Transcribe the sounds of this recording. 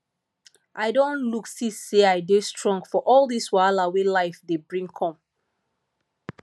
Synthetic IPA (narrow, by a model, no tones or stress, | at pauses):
ʔaɪdõnluksisːeaɪdestɹɔ̃ŋɡfɔʔɔlˠðiswaɪlawelaɪfðebɹĩŋkʰɔ̃m